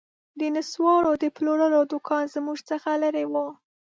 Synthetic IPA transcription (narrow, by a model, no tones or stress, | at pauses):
d̪ənaswɑɽod̪əploɾəlod̪ʊkʰɑnzəmuʒt͡səxaləɾewu